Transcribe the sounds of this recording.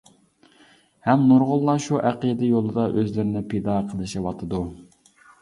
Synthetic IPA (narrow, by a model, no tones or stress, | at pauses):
hɛmnuɾʁʊlˠːɑʃuʔæqəd̪ɪjolˠɨd̪ɑʔøzlɪɾɪnɪpʰed̪ɑqʰəlˠɨʃɪwɑt̪ʰɨd̪u